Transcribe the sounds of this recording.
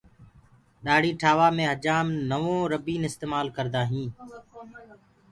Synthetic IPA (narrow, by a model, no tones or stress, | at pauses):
ɗaːɽ̤iːʈʰaːʋaːmẽːɦəd͡ʒaːmnəʋõːɾəbiːnɪst̪eːmaːlkəɾd̪aːɦĩː